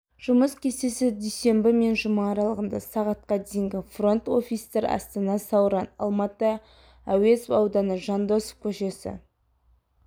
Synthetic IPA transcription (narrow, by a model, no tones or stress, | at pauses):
ʒ̥ʊməskʲʰe̞sesɪd̪ejse̞mbɪme̞nʒʊmɑːɾɑlˠəʁənd̪ɑsɑʁɑt̪̚qɑd̪ejɪŋɡʲɪfro̞nt̪o̞fʲijst̪eɾɑ̰st̪ɑnɑsɑwɾɑnɑ̰lˠmɑt̪ə | æwe̞sɑwd̪ɑnəʒɑnd̪o̞sə̥kʲʰɵʃe̞sɪ̰